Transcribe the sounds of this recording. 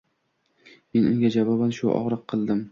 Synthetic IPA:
me̞nʊŋɡʲad͡ʒavɒbanʃʊʔɒ̰ʁɾɨqʰːɨlˠd̪ɪm

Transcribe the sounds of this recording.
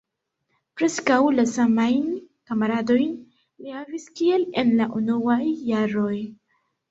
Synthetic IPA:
pɾe̞skawlasamajnkamaɾado̞jn | lihaviskie̞le̞nlaʔunuajːaɾo̞j

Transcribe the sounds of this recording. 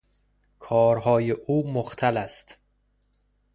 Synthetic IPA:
kʰɒːɾɦɒːjeʔuːmoxt̪ʰælæst̪

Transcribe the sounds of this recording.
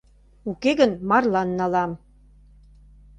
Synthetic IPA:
ukeɣənmɑrlɑnːɑlɑm

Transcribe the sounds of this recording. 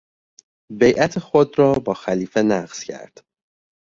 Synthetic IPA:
be̞jʔæt̪ʰexod̪ɾɒːbɒːxæliːfe̞næɢz̥cʰæ̰ɾd̪̥

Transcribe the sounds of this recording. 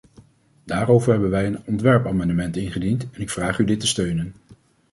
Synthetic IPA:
d̥aːrowvəɹɦɛbənʋɛjənɔntʋɛɹpaːmɑndəmɛntɪnχədintɛnɪkfraːχydɪtəstøɥnən

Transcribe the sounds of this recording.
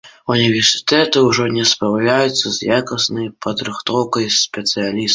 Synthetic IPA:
unʲivʲɛrsɨ̥t̪ɛt̪ɨwʐɔnʲɛspɾawlʲajut̪sːɐzjakɐsnɐjpʰɐd̪ɾɨxt̪ɔwkɐjspʲɛt̪sɨjalʲis

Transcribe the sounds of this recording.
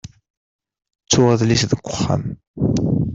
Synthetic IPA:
t͡sːʊʁəðlisðəɡʷːʊχːa̰m

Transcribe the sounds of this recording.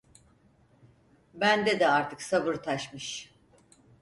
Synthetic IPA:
bænd̪ɛd̪ɛaɾt̪ʰɯksabɯɾt̪ʰaʃmɯʃ

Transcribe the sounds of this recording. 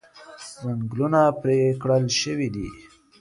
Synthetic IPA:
zaŋɡlunapɾekɽəlʃəwid̪ḭ

